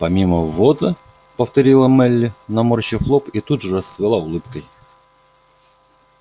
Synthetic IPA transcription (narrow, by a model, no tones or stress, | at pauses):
pɐmʲiməvozɨ | pəft̪ɐɾʲilˠəmɛlʲːɪnɐmorɕɪxlˠopit̪ud̪ʐɨɾəsvʲɪlˠaʊlˠɨpkəj